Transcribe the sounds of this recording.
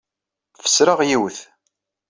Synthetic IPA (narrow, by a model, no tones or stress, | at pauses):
fə̥sɾəʁjiwθ